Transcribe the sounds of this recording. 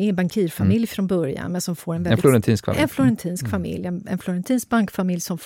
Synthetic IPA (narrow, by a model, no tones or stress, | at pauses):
ɛɛnbaŋkʰiːɾfamɪljfɾɔnbœɾja̰nmɛnsɔmfoːɾɛnvɛlɪflʊɾɛnt̪ʰiːnskfɛnflʊɾɛnt̪ʰiːnskfamɪ̰ljɛnɛnflʊɾɛnt̪ʰiːnsk̚baŋkfamɪljsɔmf